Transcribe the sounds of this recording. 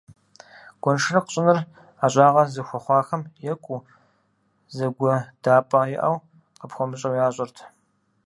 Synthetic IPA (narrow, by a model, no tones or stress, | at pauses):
ɡ̥ʷɔnʂɨrɐqəɕʼɪnɨr | aːɕʼaːʁɐzɨxʷɔχʷɑːxɐmjɛkʷʼu | zɐɡʷɔd̥aːpʼɐjɪʔɐ̰w | qəpxʷɔmɨɕʼɐwjaːɕʼɐrtʰ